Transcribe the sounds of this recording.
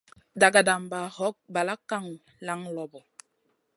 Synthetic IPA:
da˨ɡa˨da˨mba˨hɔ˦k̚ba˨la˦ka˦˨ŋ | la˦ŋlɔ˨bɔ˨

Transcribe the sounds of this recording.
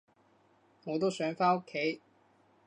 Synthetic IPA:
ŋɔː˨˧t̪o˥wsœː˨˥ŋfaː˥o˥kʰːe˨˥j

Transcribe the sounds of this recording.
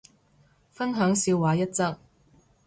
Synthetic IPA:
fɐ˥nɦœː˨˥ŋsiː˧wwaː˨˥jɐ˥t̚t͡sɐ˥k̚

